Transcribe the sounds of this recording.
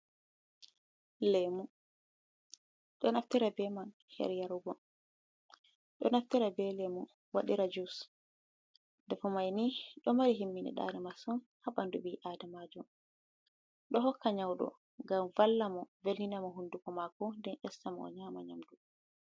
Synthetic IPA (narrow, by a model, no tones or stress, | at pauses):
lɛmu | ɗɔnaftiɾabɛman | hɛ̰ɾjaɾuɡɔ | ɗɔ̰naftiɾabɛlɛmu | waɗiɾad͡ʒus | dɛfɔmajniɗɔmaɾiɦimːinɛ̰ɗa̰ɾɛmasun | haɓandubiʔadamad͡ʒɔm | ɗɔɦɔkʰːaɲawɗɔ̰ | ŋɡamvalːamɔvelːinamɔɦundukɔmakɔndɛnʔɛsːamɔɔ̰ɲaːmaɲamdu